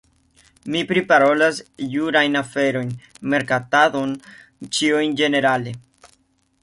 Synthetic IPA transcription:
mipɾipaɾo̞lasjuɾajnafe̞ɾo̞jn | me̞ɾkatado̞n | t͡ʃiujnd͡ʒe̞ne̞ɾale̞

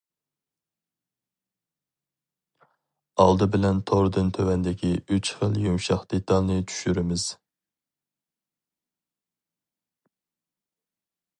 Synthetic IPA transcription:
ɑlˠd̪ɨbɪlɛnt̪ʰoɾd̪ɨnt̪ʰøwɛnd̪ɪkʲiyt͡ʃχəlˠjumʃɑχd̪̥et̪ʰɑlˠnɨt͡ʃʰy̥ʃyɾɪmɪz̥

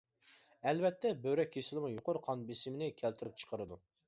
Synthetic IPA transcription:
ɛlvɛt̪ʰːɛbøwɾɛk̚ʲʰːesɪlˠɪmujoqʊɾqʰɑnbesɪmɪnɪkʲʰɛlt̪ʰɪɾɪp̚t͡ʃʰə̥qʰəɾɨd̪u

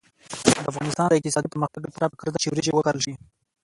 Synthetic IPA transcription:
d̪əafɣɑnɪst̪ɑnd̪əɪq̚t̪ɪsɑd̪ipəməxt̪aɡepɾapə̥kəɾat̪at͡ʃiɾit͡ʃewəkaɾəlʃi

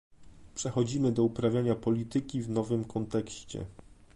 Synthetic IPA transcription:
pʂɛxɔd͡ʑimɘd̪ɔupɾavʲjaɲapɔlʲit̪ɘkʲivnɔvɘmkʰɔnt̪ɛkɕt͡ɕɛ̰

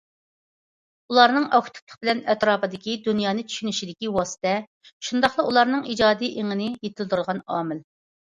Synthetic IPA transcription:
ulˠɑɾnɨŋɑkʰu̥t̪ʰu̥plˠə̥χbɪlɛnɛt̪ɾɑːpɨd̪ɪkʲid̪unjɑːnɨt͡ʃʰy̥ʃynyʃid̪ɪkʲiwɑsɨ̥t̪ɛ | ʃund̪ɑχlˠɑulˠɑɾnɨŋid͡ʒɑːd̪ijʔeŋɪnɪjet̪ʰɪlt̪ʰɾɨlˠʁɑnɑːmɪl

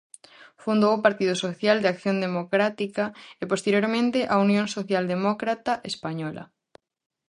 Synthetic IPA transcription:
fund̪owpaɾt̪iðʊsoθjald̪eakθjond̪emokɾat̪ikaepost̪eɾjoɾmẽnt̪ɪʔaunjõŋsoθjald̪emɔkɾat̪aʔespaɲɔlʔɐ̰

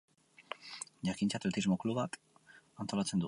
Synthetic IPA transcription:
ʝakint͡sat̪let̪izmo̞kluβat̪ | ant̪o̞lat͡se̞nd̪u

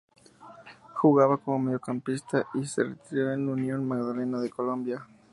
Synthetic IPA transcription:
xuɣaβako̞momeðjo̞kampist̪aʔisḛret̪iɾo̞enunjo̞nmaɣðale̞naðeko̞lo̞mbja

